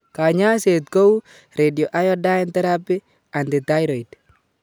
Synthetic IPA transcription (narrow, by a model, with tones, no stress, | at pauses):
ka˨ɲa˦se˨tko˦u˦ | ɾedjo˨ʔa˦jɔ˦da˦ɪ˦ntɛ˦ɾa˦pɪ˦ | a˨ndɪ˨ta˦jɾo˨i˨t